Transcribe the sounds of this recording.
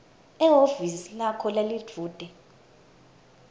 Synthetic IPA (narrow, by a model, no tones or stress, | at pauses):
ɛɦofisilakʰɔlali̥d͡v̥ʱuːd̥ʱɛ